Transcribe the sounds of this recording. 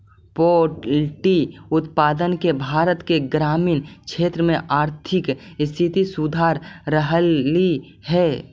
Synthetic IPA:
poːʈlʈiʊt̪paːd̪ənkebʱaːɾət̪keɡɾaːmiːnkʃʰeːt̪ɾəmẽʔaːɾt̪ʰɪkst̪ʰɪt̪isud̪ʱaːɾːəɦi | hɛː

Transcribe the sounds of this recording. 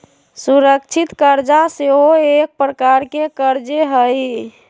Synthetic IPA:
suɾəkt͡ʃʰit̪kəɾd͡ʒaseɦoek̚pɾəkaɾkekəɾd͡ʒeɦəj

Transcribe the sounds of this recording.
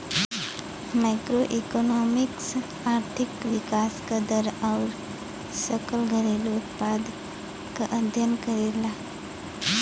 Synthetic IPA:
maɪkɾoʔikonɔmɪks | aːɾt̪ʰikʋɪkaskad̪əɾaʊɾ | səkəlɡʱəɾelʊt̪̚pad̪ | kaʔəd̪ʱjənkəɾela

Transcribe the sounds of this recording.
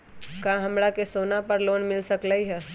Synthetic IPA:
kãɦɐmɾakesoːnapəɾloːnmɪlsəklaiɦɛː

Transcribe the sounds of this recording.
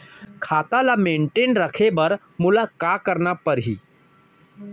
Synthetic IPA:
kʰaːt̪alamẽːɳʈeːnɾəkʰebɐɾ | mʊlaːkaːkəɾnapɐɾɦiː

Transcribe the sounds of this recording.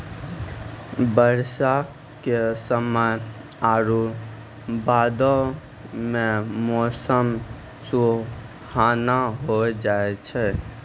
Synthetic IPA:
bəɾsa | kesəməj | aɾu | baːd̪ɔ | memɔsəm | su | hanaɦod͡ʒaet͡ʃʰɛ

